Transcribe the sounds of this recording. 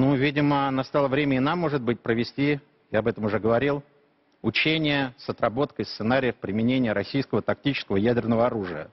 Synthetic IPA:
nuvʲidʲɪmənast̪alˠəvɾʲemʲɪnamːo̞ʐɨt̪̚bɨt̚ʲpɾəvʲɪsʲtʲi | jaɐbɛt̪əmʊʐɛɡəvɐɾʲilˠ | ʊt͡ɕenʲɪjəsɐt̪ɾɐbo̞t̪kəst̪sɨnaɾʲɪjəfpɾʲɪmʲɪnʲenʲɪjəɾɐsʲijskəvət̪ɐk̚tʲit͡ɕɪskəvəjædʲɪrnəvəɐɾuʐɨjə̰

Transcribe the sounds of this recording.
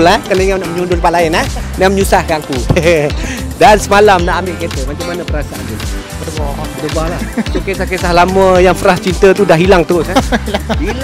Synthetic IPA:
lahkəneŋanaʔməɲundʊlpaʔlaɪnahnaməɲusahkaŋku | dansəmalamnaʔambɪʔket̪əmat͡ʃamːanapəɾasaʔa̰niu | bərɡabədəbalahukesahkesahlaməjaŋfəɾast͡ʃint̪ət̪udaɦilaŋt̪usai

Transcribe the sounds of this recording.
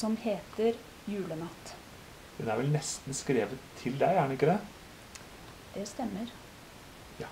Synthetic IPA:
ɔmheːt̪əɾ | jʉːlənɑt̪ː | d̪̥ɛnæɾʋɛlnɛst̪n̩skɾeːʋət̪ʰːɪld̪æɪjæːɳəɪkːəd̪ɛ | d̪̥ɛst̪ɛmːəɾ | j

